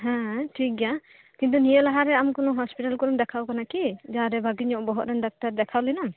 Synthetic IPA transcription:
ɦɛ̃ʈʰik̚ɡa | kint̪̬unijəlaɦaɾɛamkɔnɔɦɔspiʈalkɔɾɔmd̪ɛkʰawkanakid͡ʒaɾɛbʱaɡiɲɔʔbɔɦɔt̪̚ɾɛnɖak̚taɾd̪ɛkʰawlinam

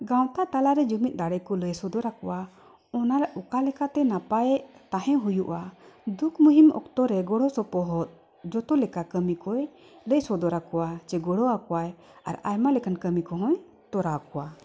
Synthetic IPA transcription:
ɡawt̪at̪alaɾɛd͡ʒumit̪̚ˀd̪aɽɛjkɔləjsɔd̪ɔɾakɔwa | ɔnaɾukalɛkat̪ɛnapajɛʔt̪aɦɛ̃ɦujuʔad̪ukʰmuɦimɔ̰kt̪ɔɾɛɡɔɽɔsɔpɔɦɔt̪̚ | d͡ʒɔt̪ɔlɛkakəmikɔj | ləjsɔd̪ɔɾakɔwat͡ʃɛɡɔɽɔakɔwaj | a̰ɾa̰jmalɛkankəmikɔɦɔ̃j | t̪ɔɾakɔwa

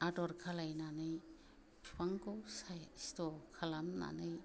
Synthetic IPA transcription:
adɔɾkʰalajnanɯj | pʰpaŋkowsajstɔkʰalanːa̰nɯj

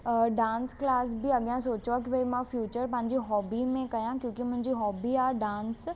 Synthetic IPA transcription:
ɖãːnsklaːsbʱiɐɠjãsoːt͡ɕʋakibɐimãfʰjuːt͡ɕəɾp̬ɐ̃ɦɪ̃ɲd͡ʑiɦɔːbimẽkɐjãkjõːkimʊ̃ɦɪ̃ɲd͡ʑiɦɔːbiaːɖãːns

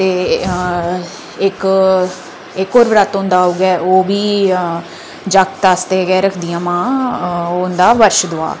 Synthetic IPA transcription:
t̪eː | ɪk | ɪkoːɾʋɾaːt̪õnd̪aːoɡɛːʔoːbiː | d͡ʒak̚t̪aːst̪eːɡɛːɾəkʰd̪ijãːmãː | ond̪aːʋəɾʃd̪ʊa̰ː

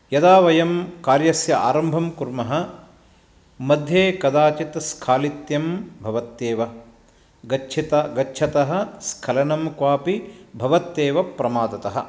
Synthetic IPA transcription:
jɐd̪aːʋɐjɐmkaːɾjɐsjɐa̰ːɾɐmbʱɐmkuɾmɐɦɐ̆ | mɐd̪ʱjeːkɐd̪aːt͡ʃit̪skʰaːlit̪jɐmbʱɐʋɐt̪ːeːʋɐ | ɡɐt͡ʃʰit̪ɐɡɐtːt͡ʃʰɐt̪ɐɦɐ̆skʰɐlɐnɐmkʋaːpibʱɐʋɐt̪ːeːʋɐpɾɐmaːd̪ɐt̪ɐɦɐ̆

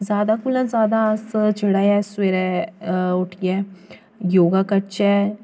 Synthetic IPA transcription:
zjaːd̪aːkʊlə̃nzaːd̪aːsd͡ʒeːɽaːjɛːsweːɾɛ | ʊʈʰɪjɛː | joːɡaːkət͡ʃɛː

